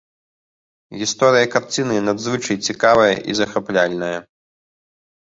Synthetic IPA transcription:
ɣʲist̪ɔɾɨjɐkart͡sʲinɨnad̪zvɨt͡ʂɐjt͡sʲikavɐjɐ̰ʔizɐxaplʲalʲnɐjɐ

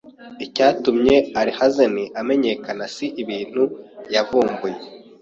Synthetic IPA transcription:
icaːtumɲe̞aɾihazeniʔame̞ɲe̞kanasiʔiβiːn̥hujavuːmbuje̞

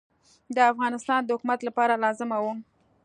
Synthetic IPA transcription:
d̪əafɣɑnɪst̪ɑnd̪əhʊkumat̪lapɑɾalɑzɪmawu

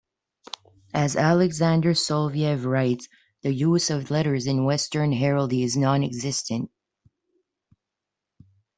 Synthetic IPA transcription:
ɨzælˠɨɡzæ̃ndə˞sɔlˠviɛvɹaɪts | ðɨjuzʌvlɛɾə˞zɨ̃nwɛstə̃˞nɦɛɹl̩ˠdiɨznɑ̃nɨɡzɪstɨ̃nt̚

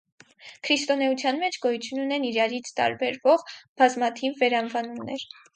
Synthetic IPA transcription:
kʰɾist̪ɔnɛut͡sʰjɑnmɛt͡ʃʰɡɔjut͡sʰjununɛniɾɑɾit͡sʰt̪ɑ̰ɾbɛɾvɔʁb̥ɑzmɑt̪ʰivːɛɾɑnvɑnumnɛɾ

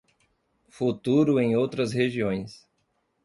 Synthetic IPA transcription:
fut̪uɾʊẽj̃owt̪ɾɐsheʒiõj̃s

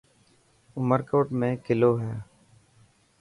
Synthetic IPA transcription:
ʊməɾkoːʈmẽːkɪloːɦɛː

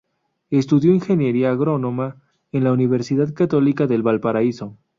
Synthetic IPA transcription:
est̪uðjo̞inxe̞njeɾiaːɣɾo̞no̞ma | enlauniβ̞eɾsiðaðkat̪o̞likaðe̞lβalpaɾaiso

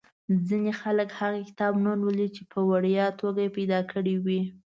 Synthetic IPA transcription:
zinexaləkhaɣakɪ̥t̪ɑbnanwəlit͡ʃepʰəwaɽjɑt̪ʰoɡajepajd̪ɑkʰəɽiwi

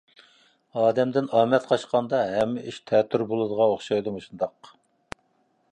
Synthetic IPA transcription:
ɑːd̪ɛmd̪ɪnɑːmɛt̪qʰɑʃqɑnd̪ɑɦɛmːɪʔiʃt̪ʰɛːt̪ʰːyɾbolˠɨd̪əʁɑoχʃɑjd̪umuʃund̪ɑq

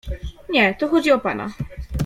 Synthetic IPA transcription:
ɲɛt̪ɔxɔd͡ʑiɔpana̰

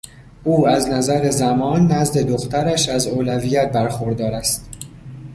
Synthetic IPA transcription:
ʔuːæznæzæɾezæmɒːnːæzd̪e̞d̪oxt̪æɾæʃæzoːlævijæt̪̚bæɾxoɾd̪ɒːɾæst̪

